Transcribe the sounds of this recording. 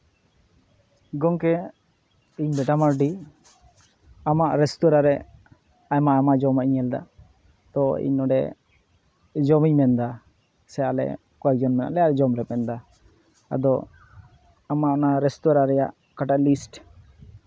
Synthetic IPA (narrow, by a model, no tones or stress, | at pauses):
ɡɔŋkɛ | iɲbɛʈamaɾɖi | amaʔɾɛst̪ɔɾaɾɛ | ajmaamad͡ʒɔmaiɲɛld̪a̰ | t̪ɔḭɲɔɖɛ̰ | d͡ʒɔmiɲmɛnd̪a | sɛjaʔlɛ̰ | kad͡ʒɔnmɛna̰ʔlɛjaɾɛd͡ʒɔmɾɛpɛnd̪a | a̰d̪ɔ | amaʔnaɾɛst̪ɔɾaɾɛja̰ʔ | kaʈaʔlisʈ